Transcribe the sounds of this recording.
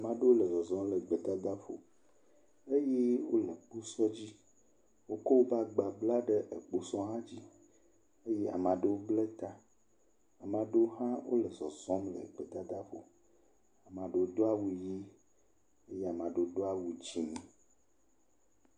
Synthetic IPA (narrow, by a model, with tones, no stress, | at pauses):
a˨mã˨ɖe˦wo˦le˨zɔ˨zɔ̃˦mle˨ɡ͡be˨t̪a˦d̪a˦fo̰˨ | e˦je˦wo˦le˨k͡pu˦sɔ˦d͡ʑi˦ | wo˦ko˦wo˦ba˦ɡ͡ba˨bla˦ɖe˦ʔe˨k͡po˦sɔ˦ɦã˦d͡ʑi˦ | e˦je˦a̰˨mã˨ɖe˦wo˦ble˦t̪a˦ | a˨mã˨ɖe˦o˦ɦã˦wo̰˦le˨zɔ˨zɔ̃˦mlḛ˨ɡ͡be˨t̪a˦d̪a˦fo˨ | a˨mã˨ɖe˨o˦d̪o˦a˦wu˦˨ji˦ | e˦je˦a˨mã˨ɖe˨o˦do˦a˦wu˨d͡ʒi˦mĩ˦